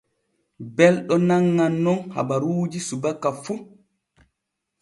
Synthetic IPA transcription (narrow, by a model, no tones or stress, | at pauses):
bɛlɗɔnaŋːanːɔnha̰baɾuːd͡ʒisubakːafu